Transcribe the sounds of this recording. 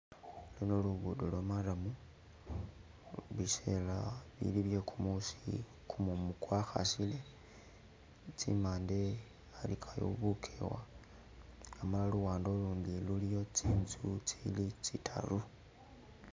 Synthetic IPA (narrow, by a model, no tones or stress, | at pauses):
linoluβudolomalamu | lise̞laβḭliβje̞kʰumusi | kʰumumukwaxa̰sile̞ | t͡sḭmaːnde | alikʰajo̰βukʰewa | amalaluɣaːndoluːndilulijo̞t͡siːnzut͡silit͡sitʰa̰lu